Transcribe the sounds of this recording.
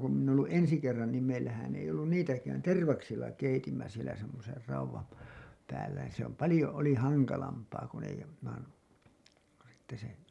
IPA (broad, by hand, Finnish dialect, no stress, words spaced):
ku minˑ oː lːu ʔensi kerːɑn niːm meilːæhæn ei olːun niːtækæːn terʋɑksilːɑ keitimːæ sielæ semːoser rɑuwɑm pæː pæːlːæ ni se om pɑlĭjo oli hɑŋkɑlɑmpɑː kun ei jo sitːe se